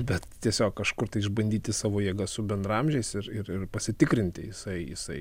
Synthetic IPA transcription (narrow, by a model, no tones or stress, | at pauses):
bʲɛt̪t̪ʲiɛsʲoːkkɐʃkʊrt̪ɐɪɪʒbɐnʲd̪ʲiːt̪ʲɪsɑːʋoːjiɛɡɐsʊbʲɛnd̪ɾɐmʲʒʲɛɪsɪɾɪɾɪrpɐsʲɪt̪ʲɪkɾʲɪnʲt̪ʲɪ̰jɪsɐɪjɪ̰sɐɪ